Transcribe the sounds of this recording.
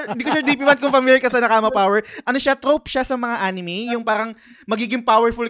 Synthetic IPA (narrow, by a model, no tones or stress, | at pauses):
d̪iːkoʃad̪iːpimɐnkʊŋfɐmiljɐkɐsɐnɐkamɐpawɛɹʔɐnoʃat̪ɾopʃasɐmɐŋaʔaːnɪmejʊŋpaːɾɐŋ | mɐɡiːɡɪŋpawɛɹfʊl